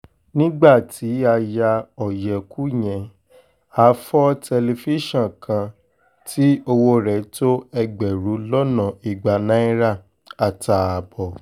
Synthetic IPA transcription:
nĩ˦ɡ͡ba˦˨ti˨˦a˧ja˧ɔ˨jɛ˨ku˦j̃ɛ̃˧˨ | a˨˦fɔ˦tʰɛ˧le˧fi˦ʃɔ̃˦˨kʰã˧ | tʰi˦o˧wo˧ɾɛ˨˦to˦ɛ˧ɡ͡bɛ˨ɾu˨˦lɔ˦nã˨i˨ɡ͡ba˨nã˦i˦ɾa˦˨ | a˨ta˨a˨bɔ˨

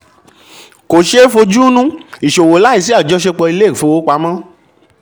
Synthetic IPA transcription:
ko˨ʃe˦fo˧d͡ʒu˦nũ˦i˨ʃo˨wo˨˦la˦i˦˨s̬i˦a˦˨d͡ʒɔ˦ʃe˦k͡pɔ˧i˧le˦˨fo˧wo˨˦k͡pa˧˦mã˦

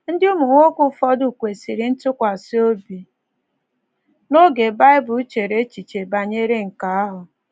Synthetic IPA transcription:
n̩˦dɪ˦u˦mu˨ŋʷo˦kʊ˦fɔ˦dʊ˦˨kʷe˨si˨ɾɪ˨˦n̩˦tʊ˦kʷa˨so˦bi˨ | no˦ɡe˨ba˦ɪ˦bʊ˨˦t͡ʃe˨ɾe˨˦t͡ʃi˨t͡ʃe˨ba˨ɲe˦ɾe˦ŋ̩˨ka˨a˦ɦʊ˨

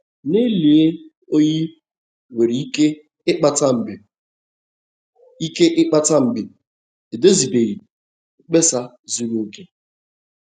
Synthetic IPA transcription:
ne˦li˨e˦ | o˦ɲi˦ | we˨ɾi˨i˦ke˦ | ɪ˦k͡pa˦ta˦m̩˨be˨ | i˦ke˦ʔɪ˦k͡pa˦ta˦m̩˦bɪ˨ | e˨do˦zi˨be˨ɣi˨˦ | k͡pe˦sa˦ | zu˦ɾu˦ke˦

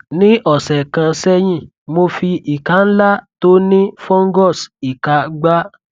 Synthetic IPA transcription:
nĩ˦ʔɔ˨sɛ˨kã˧sɛ˦jĩ˦˨ | mo˧fi˧i˨ka˨˦n̩˦la˦to˦nĩ˦fɔ̃˦ŋ˦ɡɔ˦˨si˨ka˨ɡ͡ba˦

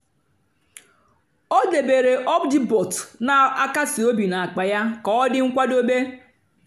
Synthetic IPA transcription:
o˦de˨be˨ɾe˨ʔɔ˦bdi˦bo˨tna˨a˦ka˦sɪ˨o˦bi˨na˨a˨k͡pa˨ja˦kɔ˨ɔ˦dɪ˦ŋ̩˦kʷa˦do˦be˦

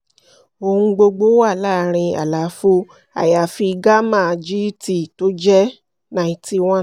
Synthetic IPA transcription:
o˧hũ˧ɡ͡bo˧ɡ͡bo˦wa˦˨la˦˨˦ɾ̃ĩ˧a̰˨la˨˦fo˦ | a̰˨ja˨fi˧ɡa˦mã˦˨d͡ʒi˦ti˦˨to˦d͡ʒɛ˦ | nã˨i˨ti˧w̃ɔ̃˦

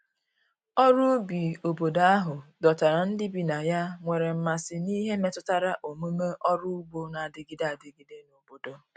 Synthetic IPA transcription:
ɔ˦ɾʊ˦bi˨o˨bo˨da˦ɦʊ˨dɔ˨ta˨ɾa˨n̩˦dɪ˦bi˨na˨ja˦ŋʷe˨ɾe˨m̩˨ma˨sɪ˨ni˦ɦe˦me˦tʊ˦ta˦ɾa˦ʔo˨mu˦me˦ʔɔ˦ɾʊ˦u˦bo˦na˨a˨dɪ˦ɡɪ˦da˨a˨dɪ˨ɡɪ˦de˦no˨bo˨do˦

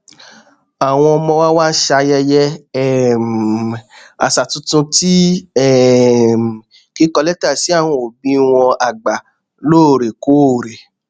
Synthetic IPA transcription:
a˨w̃ɔ̃˧ɔ˧mɔ̃˧wa˦wa˦ʃa˧jɛ˧jɛ˦ɛ˦˨m | a˨sa˨tũ˨˦tũ˧ti˦ɛ˦˨m˨ | ki˦kɔ˧lɛ˦ta˦˨si˨˦a˦˨w̃ɔ̃˧o˨bĩ˨˦w̃ɔ̃˧a˨ɡ͡ba˨ | loː˦˨ɾe˨ko˨˦o˨ɾe˨

